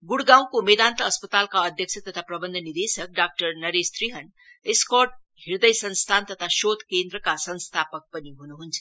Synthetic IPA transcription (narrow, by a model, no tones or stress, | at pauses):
ɡuɽɡãw̃komed̪aːnt̪əːspət̪alkaəd̪ʱjəksʰət̪ət̪ʰapɾɐbənd̪ʱənid̪esək̚ɖaːk̚ʈəɾnɐɾest̪ɾiɦən | eskoʈ̚ | iɾd̪əjsə̃nst̪ʰant̪ət̪ʰaʃot̪ʰkend̪ɾəkasə̃nst̪ʰapək̚pəniɦunuɦunt͡sʰə̥